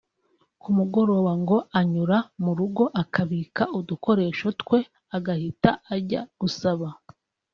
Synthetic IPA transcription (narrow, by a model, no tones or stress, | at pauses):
kumuɡo̞ɾowaŋɡo̞aɲuɾamuɾuɡo̞ʔakʰaβiːkauduko̞ɾe̞ːʃo̞tkwe̞ | aɡahitaːɾɟa̰ɡ̥usaβa